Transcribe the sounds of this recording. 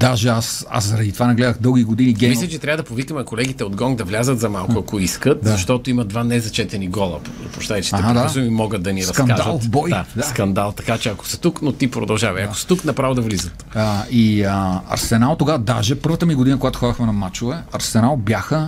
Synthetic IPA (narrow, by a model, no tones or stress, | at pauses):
d̪aʒɛasa̰szɐɾɐd̪it̪ovanɛɡlɛd̪əxd̪ɤlˠɡ̟ʲiɡod̪iniɡʲɛmilʲɐt͡ʃɛt̪ɾʲavəd̪ɐpovikəmɛkolɛɡ̟it̪ɛod̪ɡɔŋɡd̪ɐvlʲazət̪zɐmalˠkoɐkoiskət̪zɐʃt̪ɔt̪oimɐd̪vanɛzɐt͡ʃɛt̪ɛniɡɔlˠɐ̰p̪ | pɾoʃt̪at͡ʃɛ̥aɛɦad̪asmimɔɡət̪̚d̪ɐniɾɐskɐnalˠbɔjad̪asskɐnd̪alˠt̪ɐkat͡ʃɛɐko̥sɐ̥t̪uknot̪ipɾo̰d̪ɐlˠʒavɐɐko̥st̪uknɐpɾavod̪ɐvlizət̪iəɐ̰ɾsɛnalˠt̪oɡavɐd̪aʒɛpɤɾvət̪əmiɡod̪inəkoɡat̪ʊxɔd̪əxmɛnɐmat͡ʃovɛɐɾsɛnalˠbjaxə